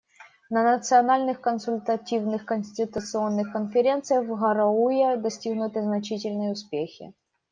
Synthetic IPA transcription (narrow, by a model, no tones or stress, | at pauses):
nənət̪sɨɐnalʲnɨxkənsʊlʲt̪ɐtʲivnɨxkənʲsʲtʲɪt̪ʊt̪sɨo̞nːɨxkənfʲɪɾʲent̪sɨjəxvɣɐɾɐujed̪ɐsʲtʲiɣnʊt̪ɨznɐt͡ɕitʲɪlʲnɨjʊspʲexʲɪ̰